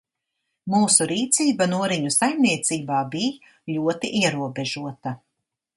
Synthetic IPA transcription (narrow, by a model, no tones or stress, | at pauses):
muːsuɾiːt̪siːbanuɔɾiɲusajmniɛt̪siːbaːbij | lʲuɔt̪iʔiɛɾuɔbeʒuɔt̪a